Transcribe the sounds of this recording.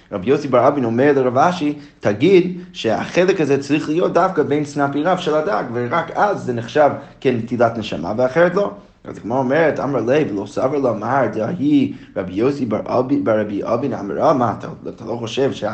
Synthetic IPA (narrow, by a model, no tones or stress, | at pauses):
ɾabjoʊsibaɾabinɔmɛɹlˠəɾavaʃi | tʰaɡidʃɛa̰χɛlˠɪkazɛt͡sɾiχlˠijot̚d̥afkəbeɪnsnapiɾavʃɛlˠadaɡvɪɾakazːɛnɪχʃavkɛntʰilˠatnəʃa̰ma̰vɪaχɛɾɛtlˠoʊ | a̰dɪɡmɔɾɔmɛɾɛtʰa̰mɾalˠeɪvlˠoʊsavəɾlˠəamaɾdahiɾabjoʊsibabbaɾabiʔɔ̰bina̰ma̰ɾamatʰa̰tʰalˠoʊχoʃɛvʃɛa